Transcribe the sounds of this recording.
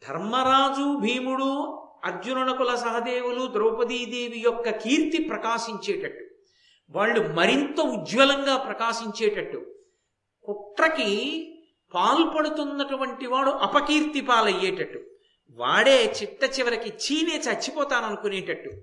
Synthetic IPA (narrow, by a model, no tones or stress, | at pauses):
d̪ʱɐ̰ɾmɐɾaːd͡ʒubʱiːmuɽu | ɐɾd͡ʒunɐɳɐkulɐsɐɦɐd̪eːwulud̪ɾoːpɐd̪iːd̪eːʋijɔkːɐkiːɾt̪ipɾɐkaːʃiɲt͡ʃeːʈɐʈːu | ʋaːɭːumɐɾint̪ɐud͡ʒʋɐlɐŋɡaːpɾɐkaːʃiɲt͡ʃeːʈɐʈːu | kuʈɾɐki | paːlpɐɽut̪unːɐʈuʋɐɳʈiʋaːɽuʔɐpɐkiːɾt̪ipaːlɐjːeːʈɐʈːu | ʋa̰ːɽeːt͡ʃiʈːɐt͡ʃiʋɐɾikit͡ʃiːneːt͡ʃɐt͡ʃːipɔːt̪aːnɐnukuneːʈɐʈːu